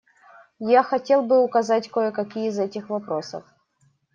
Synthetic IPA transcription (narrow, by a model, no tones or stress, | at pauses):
jaxɐtʲe̞lˠbɨʊkɐzatʲkojəkɐkʲijəizɛtʲɪxvɐpɾosə̰f